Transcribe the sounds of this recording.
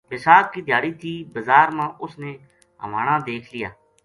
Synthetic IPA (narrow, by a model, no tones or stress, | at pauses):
ʋɪsaːkːiːd̪ɪjaːɽiːt̪ʰiːbəzaːɾmãːʔʊsneː | ɦəʋaːɳãːd̪eːkʰlɪja̰ː